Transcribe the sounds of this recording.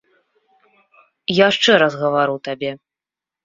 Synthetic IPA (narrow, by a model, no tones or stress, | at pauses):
jaʂt͡ʂɛɾɐzɣɐvaɾɨwt̪abʲɛ